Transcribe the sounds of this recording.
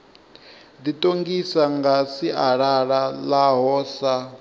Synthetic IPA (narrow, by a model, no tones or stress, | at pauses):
d̪itʼoŋɡisaŋɡasiʔaɺaɺalaɦɔːsa